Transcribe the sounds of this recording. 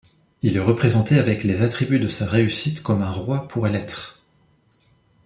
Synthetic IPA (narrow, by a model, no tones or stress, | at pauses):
ilɛʁəpχezɑ̃t̪eavɛklezat̪χibyd̪əsaʁeysit̪kɔmɛ̃ʁwapʰuʁɛlɛt̪χ